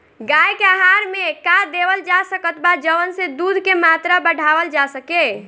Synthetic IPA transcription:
ɡajkeaɦaɾmekad̪ebəld͡ʒasəkət̪bad͡ʒəʋənsẽd̪ud̪ʱkemat̪ɾabəɽ̤ʱabəld͡ʒasəke

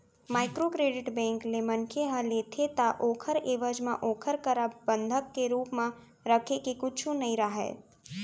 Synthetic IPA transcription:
maːɪkɾokɾeːɖɪʈbɛ̃ːŋklemənkʰeɦə̃leːt̪ʰet̪aʔoːkʰəɾeːʋəd͡ʒmã̰ʔoːkʰəɾkəɾabə̃nd̪ʱəkːeɾuːpmẽ | ɾəkʰekekʊt͡ʃʰũnɐĩɾaɦɛ̰ːt̪

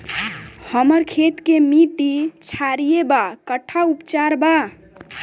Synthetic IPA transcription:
həməɾkʰet̪kemiʈit͡ʃʰaɾijebakəʈʰːaupt͡ʃaɾba

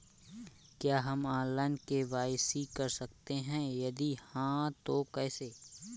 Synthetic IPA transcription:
kjaːɦɐmãːlaːnkeʋaːɪsikɐɾsɐkt̪eɦɛ̃jɐd̪ihãt̪okɛːseː

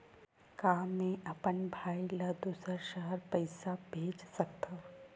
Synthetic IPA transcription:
kaːmːẽɐpənbʱaːilad̪uːsəʃəɦəɾpɐɪsabʱeːd͡ʒsɐk̚t̪aː

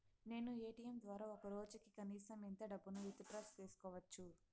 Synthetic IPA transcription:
ne̞ːnueːʈijɐmd̪ʋaːɾaːɔkɐɾoːd͡ʒɐkikɐniːsɐmint̪ɐɖɐbːunuit̪ːɐʈɾɐst͡ʃ̪iːsu̥kɔːʋɐt͡ʃːu

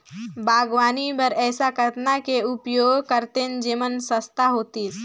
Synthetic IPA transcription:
bʱaːɡʋaːnibəɾɛːsakət̪nakeʊpjoːɡkəɾt̪end͡ʒimənsəst̪aɦoːt̪is

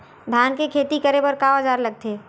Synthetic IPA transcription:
d̪ʱaːnkekʰeːt̪ikəɾebəɾkaəd͡ʒaːɾləɡ̚t̪e

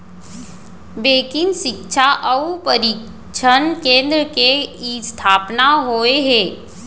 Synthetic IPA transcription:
beːkɪnʃɪkʃʰaʔəupəɾik | t͡ʃʰənkẽːnd̪ɾəkeist̪ʰaːpnaɦoːeɦɛː

